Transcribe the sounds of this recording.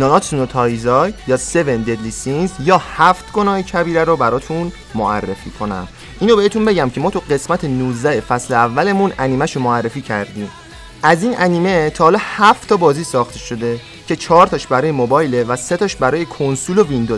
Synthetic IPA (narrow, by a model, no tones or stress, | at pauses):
nɒnɒt̪unot̪ʰɒːjzɒjjɒːse̞ve̞nd̪e̞d̪lisinzjɒːhæft̪ɡo̞nɒːhecʰæbiːɾæɾobæɾɒːt̪ʰun | moærːefiːkʰo̞næ̰m | ʔiːnobeet̪ʰunbe̞ɟæmcʰe̞mɒːt̪ʰuɢe̞smæt̪ʰenuːzd̪æhefæsleævːæle̞munæniːmæʃomoærːe̞fiːcʰæɾd̪iːm | ʔæziːnʔæniːme̞t̪ʰɒːhlɒːhæft̪ʰːɒːbɒːziːsɒːxt̪ʰeʃo̞d̪e̞ | cʰe̞t͡ʃʰɒːɾt̪ʰɒʃbæɾɒːjemobɒːjlevæse̞t̪ʰɒːʃbæɾɒːjekʰonsulo̞vind̪o